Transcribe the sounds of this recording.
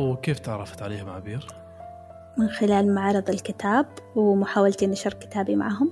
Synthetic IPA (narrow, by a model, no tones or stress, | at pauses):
wkeːft̪ɪʕɾˤɑft̪ʕaleːhʊmʕa̰biːɾ | mɪnxɪlaːlmaʕɾˤɨðˤɪlkɪt̪ʰaːbwmʊħaːwalt̪inaʃɑɾˤkɪ̥t̪aːbima̰ʕaːɦʊm